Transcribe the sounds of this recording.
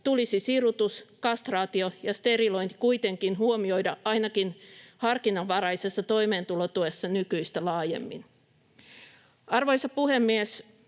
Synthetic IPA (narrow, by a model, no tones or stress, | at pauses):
t̪ulisisirut̪uskɑst̪rɑːt̪iojɑst̪e̞rilo̞int̪i̥kuit̪eŋkinhuomio̞idɑʔɑinɑkinhɑrkinɑʋːɑrɑisesːɑt̪o̞imeːnt̪ulot̪uesːɑnykyist̪ælɑːjḛmːḭn | ɑrʋoisɑpuhemːies